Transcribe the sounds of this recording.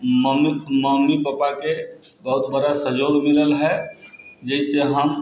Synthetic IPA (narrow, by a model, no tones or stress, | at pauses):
məmməmːipəpakebəɦʊt̪bəɽasəjoɡmiləlɦɛ | d͡ʒɛiseɦəm